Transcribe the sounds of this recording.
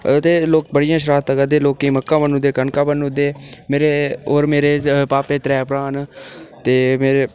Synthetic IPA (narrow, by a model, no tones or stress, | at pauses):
t̪eːloːk̚bəɽɪjãːʃ̬ɾaːt̪ːəɡəd̪eːloːkːĩːməkːãːbənũd̪eːkənkãːbənud̪eːmeːɾeːoːɾmeːɾeːpaːpeːt̪ɾɛːpɾaːnt̪eːmeːɾeː